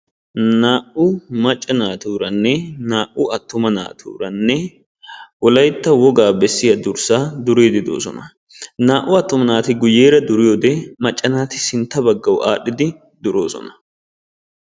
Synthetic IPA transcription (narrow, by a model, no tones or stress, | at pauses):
naːʔʊmɐt͡ʃʼːɐnaːt̪uːɾɐnːɛnaːʔʊɐt̪ːʊmɐna̰ːt̪ʰṵːɾɐnːɛ | wɔlɐjt̪ːɐwɔɡaːbɛsːɪjɐd̪ʊɾsaːd̪ʊɾe̞ːd̪ɪd̪o̰ːsɔ̰nɐ | naːʔʊɐt̪ːʊmɐnaːt̪ɪɡʊjːe̞ːɾɐd̪ʊɾɪjoːd̪ɛmɐt͡ʃʼːɐnaːt̪ɪsɪnt̪ːɐbɐɡːɐwʔaːɗːɪd̪ɪ | d̪ʊɾo̞ːsɔ̰nɐ̥